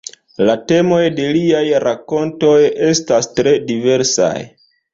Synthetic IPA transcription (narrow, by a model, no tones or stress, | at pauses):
late̞mo̞jde̞liajɾako̞nto̞je̞stastɾe̞dive̞ɾsa̰j